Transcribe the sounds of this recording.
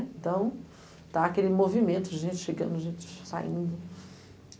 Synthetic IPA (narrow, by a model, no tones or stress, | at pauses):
nt̪ɐ̃w̃ | t̪aɐkelɪmovimẽt̪ʊʒẽnt͡ʃɪ̥ʃeɡɐ̃nd̪ʊʒẽnt͡ʃɪ̥sa̰ḭ̃nd̪ʊ